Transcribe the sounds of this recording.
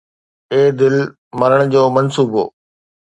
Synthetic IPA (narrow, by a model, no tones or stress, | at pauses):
eːd̪ɪl | mɐɾəɽ̃d͡ʑoːmɐnsuːbo̰ː